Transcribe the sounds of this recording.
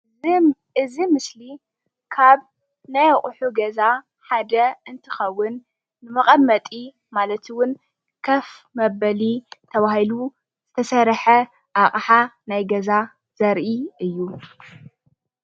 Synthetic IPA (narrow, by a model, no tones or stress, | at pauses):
ɨzimɨsli | kʰaβ | najɐχʼħuɡɐza | ħad̪ɐɨnt̪ʰɨxɐwːʊnː | ɨmɐχʼɐmːɐt̪ʼi | malɐt̪ʰɨwʊn | kʰɐfmɐβɐlit̪ʰɐβahilu | z̥ɨt̪ʰɐsɐɾħɐ | ʔaχʼħanajɡɐza | z̥ɐɾʔiɨjːu